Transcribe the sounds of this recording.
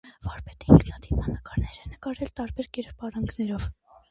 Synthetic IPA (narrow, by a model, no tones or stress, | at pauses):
vɑɾpɛt̪ɛiŋkʰnɑt̪ʰivmɑnːəkɑɾnɛɾɛnəkɑɾɛlt̪ɑɾbɛɾkɛɾppɑɾɑŋɡnɛɾɔv